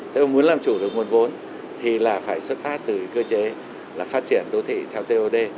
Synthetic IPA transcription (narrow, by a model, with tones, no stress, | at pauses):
t̪ʰe˨˧˦o˧˩ŋmu˨˦ənlaː˨˩mt͡ɕu˧˩ɗɨ˨˩ək̚mo˨˩t̚vo˨˦n | t̪ʰi˨˩laː˨˩faː˧˩jswə˦˥t̚faː˦˥t̚t̪ɨ˨˩kəː˧t͡ɕe˨˦ | laː˨˩faː˦˥t̚t͡ɕi˧˩ənɗo˨˦t̪ʰḭ˧˨t̪ʰɛ˧wt̪e˧ʔo˧ɗe˧